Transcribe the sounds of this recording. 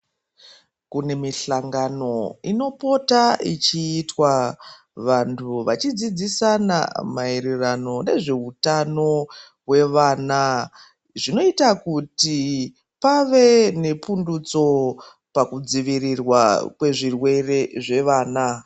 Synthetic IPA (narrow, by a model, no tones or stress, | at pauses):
kune̞miɬaŋɡano̞ino̞po̞tait͡ʃiːtwa | ʋantʰuʋat͡ʃid͡zid͡zisana̰maeɾerano̞ne̞ʐe̞utano̞ | we̞ʋaːna | ʐino̞itakuti | paʋe̞ne̞pundut͡so̞ | pakud͡ziʋirirwakwe̞ʐirwe̞re̞ʐe̞ʋaːna